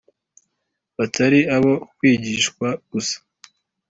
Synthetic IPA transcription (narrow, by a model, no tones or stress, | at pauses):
βatʰaɾiaβokwiːɟiʃkwaɡ̥usḁ